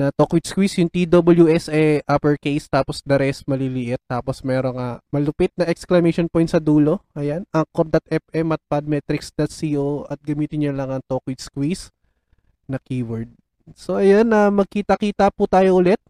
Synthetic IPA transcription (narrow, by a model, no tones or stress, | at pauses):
nɐt̪okwɪd̪skwisjʊŋt̪id̪obɐljuʔɛsɛʔapɛɹkejst̪aːposd̪ɐɾɛst̪mɐlilɪʔɪt̪ːaːposmɛːɾoŋɐmɐlʊpɪt̪̚nɐʔɛksklɐmɛʃonpojnt̪sɐd̪uːlo̞ʔɐjanɐŋkoɾ̚d̪ɐt̪̚ʔɛfʔɛmɐt̪̚pɐd̪̚mɛt̪ɾɪksd̪at̪siːʔoɐt̪̚ɡɐmiːt̪ɪnːʊnlɐŋɐŋt̪okwɪd̪skwis | nɐkiːwɛɹd̪̚ | so̞ʔɐjonɐmɐɡ̚kiːt̪ɐkiːt̪ɐput̪aːjoʔʊlɛt̪̚